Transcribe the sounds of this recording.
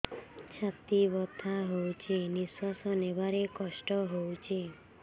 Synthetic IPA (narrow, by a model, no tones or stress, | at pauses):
t͡ʃʰat̪ibɔt̪ʰaɦowt͡ʃʰeniswasɔnebaɾekɔsʈɔɦowt͡ʃʰe